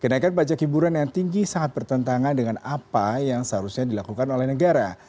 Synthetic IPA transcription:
kənaikanbat͡ʃakibuɾanjaŋt̪iŋɡisaŋat̪̚bərt̪ənt̪aŋandəŋanapajaŋsəɦaɾusɲadilakukanolɛhnəɡaɾa

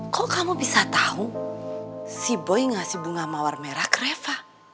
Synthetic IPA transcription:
kɔkamubisat̪aɦu | sibɔjŋasibuŋamawarmɛɾakrɛfa

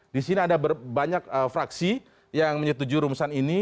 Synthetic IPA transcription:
disiniadabərbaɲakəfɾaksi | jaŋməɲət̪ud͡ʒuɾumusanini

